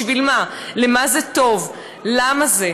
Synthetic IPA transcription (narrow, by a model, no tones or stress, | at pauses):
vilmalemazeto̞v | lamaze